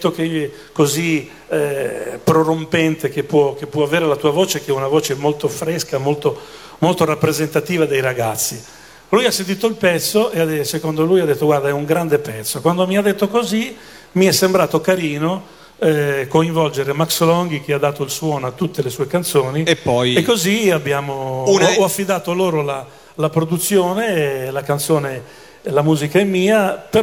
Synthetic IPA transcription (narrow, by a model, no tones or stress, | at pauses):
t̪ːoke | kozi | ɛpɾorompɛnt̪ek̟epːwɔk̟epːwɔaveːɾelat̪uːavoːt͡ʃek̟ɛunavoːt͡ʃemolt̪ofɾɛskamolt̪o | molt̪oɾapːɾezent̪at̪iːvad̪ejɾaɡat̪sːi | lujasːẽnt̪wiːt̪oilpɛt̪sːoʔeasekond̪olujad̪et̪ːoɡwaɾd̪aɛuŋɡɾand̪epɛt̪sːokwand̪omiad̪ːet̪ːokozi | miɛsːembɾaːt̪okaɾiːno | ɛkoiɱvɔld͡ʒeɾemakslɔŋɡik̟iad̪ːaːt̪oilswɔːnoat̪ːut̪ːelesuːekant̪soːniepːɔjekːoziabːjaːmoɔafːid̪aːt̪oloːɾola | lapɾod̪ut̪sːjoːnelakant̪soːne | lamuːzikaɛmːiːape